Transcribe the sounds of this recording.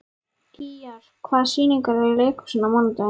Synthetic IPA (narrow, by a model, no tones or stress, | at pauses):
iaɾ̥ | kʰvaːðsiːniŋkaɾɛɾleːjkʏ̥siːnːamɔnt̪a